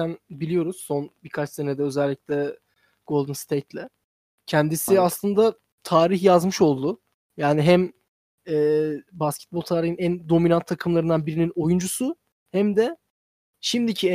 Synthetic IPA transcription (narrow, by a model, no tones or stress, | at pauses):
ænbilʲijo̞ɾuz̥so̞nbikʰat͡ʃse̞nɛd̪ɛøzælʲːicʲlʲɛ | ɡ̥o̞lˠd̪ɯnst̪ʰejt̪lʲɛ | cʰɛnd̪isiaslˠɯnd̪a | t̪ʰaːɾiçjazmɯʃo̞lˠd̪ʊ | jaːniɦæm | ɛːbascʰɛ̥t̪̚bolˠt̪ʰaːɾihɯnænd̪o̞minant̪ʰːakʰɯmlˠaɾɯnd̪anbiɾinino̞jund͡ʒusu | hæmd̪ɛ | ʃimd̪icʰi